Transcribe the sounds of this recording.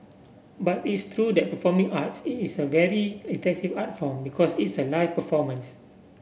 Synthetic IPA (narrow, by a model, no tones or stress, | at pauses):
batitst̪ʰɹudɛt̚pəfɔmĩŋatsitisəvɛɹiətɛ̃ksivatfɔ̃mbikʰɔsitsəlaɪfpəfɔmə̃ns